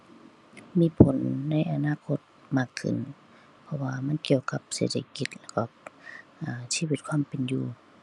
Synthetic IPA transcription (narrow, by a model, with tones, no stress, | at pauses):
miː˧˥˨pʰo˨˦nːa˧˥˨jʔa˨˧naː˧˨kʰo˧˥t̪̚ | maː˧˩kʰːɯ̰˨˩˨n | pʰɔ˧waː˧ma˧˥˨nki˧əwka˧˦p̚sḛː˧˩t̪̚ʰa˧ki˧t̪̚lɛː˧˥˩kɔ˧˩ʔaː˨˩siː˧˥˨wi˧t̪̚kʰwaː˧˥˨mpe˨njuː˧˩